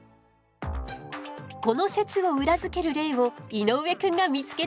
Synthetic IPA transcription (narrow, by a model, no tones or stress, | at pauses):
ko̞no̞se̞t͡sɨβo̞ɯ̟ɾazɨke̞ɾɯ̟ɾe̞ːβo̞ino̞ɯe̞kɯ̟̃ŋɡamʲit͡sɨ̥ke̞